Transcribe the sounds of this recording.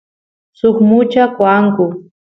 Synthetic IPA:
sʊχmʊt͡ʃakwaŋkʊ

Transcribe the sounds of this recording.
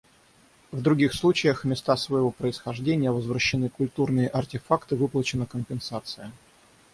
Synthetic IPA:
vd̪ɾʊɡʲixslˠut͡ɕɪjəxmʲɪst̪asvəjɪvo̞pɾəɪsxɐʐdʲenʲɪjəvəzvɾəɕːɪnɨkʊlʲt̪urnɨjəʔɐrtʲɪfakt̪ɨvɨplˠət͡ɕɪnəkəmpʲɪnsat̪sɨjə

